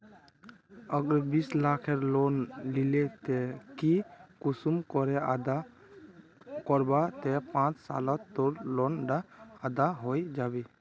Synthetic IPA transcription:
əɡɾebislakʰeɾlonlilet̪ɛkikusumkɔɾɛad̪a | kɔɾbat̪ɛpãt͡ʃsa̰lɔt̪ːɔɾlɔnɖaad̪aɦojd͡ʒabe

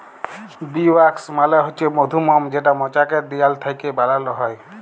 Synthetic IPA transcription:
biwaksmalaɦojt͡ʃʰemod̪ʱumɔmd͡ʒeʈ̬amɔt͡ʃakɛt̚d̪ijalt̪ʰajkebalalnɔɦɔj

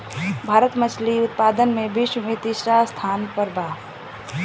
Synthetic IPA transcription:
bʱaːɾət̪mət͡ʃʰliʊt̪̚paːd̪ənmẽbiʃwəmet̪isɾast̪ʰaːnpəɾbaː

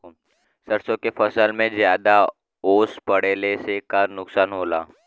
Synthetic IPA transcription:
səɾsõkefɐsəlmẽzjaːd̪a | oːspɐɽeːlesekanʊksaːnɦoːla̰ː

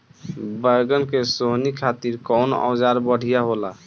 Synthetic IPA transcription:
bəjɡənkesoɦnikʰat̪iɾkɔwna̰wd͡ʒaɾbəɽ̤ʱijaɦola

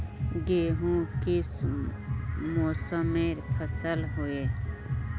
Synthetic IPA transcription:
ɡeːɦũkɪs | moːsəmeɾpʰəsəlɦoe

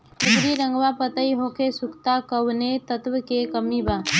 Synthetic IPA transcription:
tʊpɾiɾə̃ŋɡwapət̪əiɦokesʊkʰt̪akəwnet̪ət̪wkekəmibaː

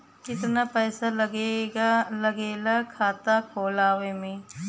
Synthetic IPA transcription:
kɪt̪napɛːsaɡeɡlɐɡeːlakʰaːt̪akʰoːlaːʋemẽː

